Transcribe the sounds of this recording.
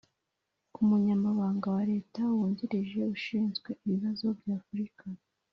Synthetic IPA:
umuɲamaβaːŋɡawaɾe̞ːtawuːɲɟiɾiʒe̞uʃiːnzɡwe̞iβiβazo̞bɟaːfuɾika

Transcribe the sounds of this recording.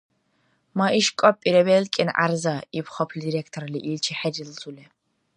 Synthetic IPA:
maʔiʃkʷʼɔpʼiɾɛbɛlkʼinʔa̰ɾzaipʰχɔpʰld̪iɾɛkʰt̪ʰʼɔɾliʔilt͡ʃʰiħɛdilzulɛ

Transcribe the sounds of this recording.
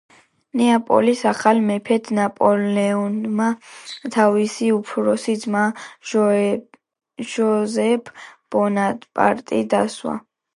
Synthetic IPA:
nɛapʼɔ̰lisaχalmɛpʰɛt̪ʰnapʼɔlɛɔnmat̪ʰavisiupʰɾɔsid̪zma | ʒɔzɛpʰb̥ɔnat̪ʼpʼa̰ɾt̪ʼid̪aswa̰

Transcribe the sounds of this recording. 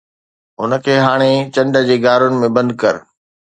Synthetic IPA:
ʊnə̆kʰeːɦaːɽ̃et͡ɕɐ̃ɳɖə̆d͡ʑeːɡaːɾʊnɪ̆mẽbɐ̃nd̪̚kɐɾ

